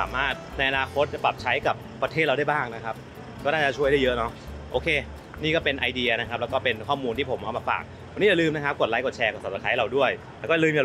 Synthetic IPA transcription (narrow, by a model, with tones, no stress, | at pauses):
aː˩˦maː˥˩t̪̚na˧jʔa˧naː˧kʰo˦˥t̪̚t͡ɕa˨˩pla˨˩p̚t͡ɕʰa˦˥jka˨˩pːa˧t̪ʰeː˥˩ɾa˧da˥˩jbaː˥˩ŋna˦˥kʰa˦˥p̚ | kɔː˥˩naː˥˩t͡ɕa˨˩t͡ɕʰu˥˩əjɾa˥˩jɤ˦˥nɔ˦˥ʔoː˧kʰeː˧ | niː˥˩kɔː˥˩pe˧nʔa˧jdi˧ɐ˧na˦kʰa˦˥p̚lːwkɔː˥˩pe˧nkʰɔː˥˩muː˧nt̪ʰiː˥˩pʰo˩˦mɔː˧˩maː˧˩fa̰ː˨˩k̚ | wa˨˧nːi˦˥ja˨˩lɯː˧mna˥kʰa˦˥p̚ko˨˩a˦˥jko˨˩t̪̚t͡ɕʰɛː˧ko˨˩t̪̚saː˨˩sa˧kʰa˦˥˩ɾa˧wdu˥˩əjllɛː˧˦˥k̬ɔ˥˩˨lɯː˧mja˨